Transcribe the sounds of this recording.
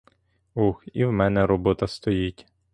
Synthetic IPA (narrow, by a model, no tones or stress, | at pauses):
uxiwmɛnɛɾɔbɔt̪ɐst̪ɔjitʲ